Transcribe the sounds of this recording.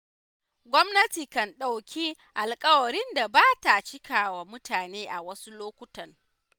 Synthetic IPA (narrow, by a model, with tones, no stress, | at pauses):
ɡʷɔ˦mnɐ˦tiː˨kɐ˨nɗa˨wkʲi˦ | ʔa˨lkʼɐ˦wɐ˨ɾɪ˦nda˨baː˦ta˨t͡ʃɪ˦kʰaː˨wa˨mʊ˦taː˨neː˦ʔa˨wɐ˦su˦loː˦kʷʊ˦tɐ˨ŋ